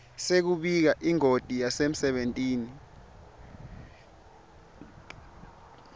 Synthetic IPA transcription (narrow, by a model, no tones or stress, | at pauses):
sek̬uɓik̬aʔiŋotʼijasem̩sɛɓentʼiːni